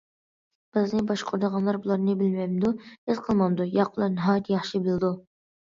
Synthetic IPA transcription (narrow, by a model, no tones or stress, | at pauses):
b̥ɪznɪbɑʃqʰʊɾd̪əʁɑnlˠɑɾbulˠɑɾnɨbɪlmɛjmd̪uɪzqʰəlˠmɑnd̪ujɑqʰʊlˠɑɾnɨɦɑːjɛt̪ʰjɑχʃibɪlɪd̪u